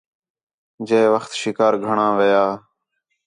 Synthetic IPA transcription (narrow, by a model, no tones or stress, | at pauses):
d͡ʒeːʋəxt̪ʃɪkaːɾɡʱəɳãːʋəjaː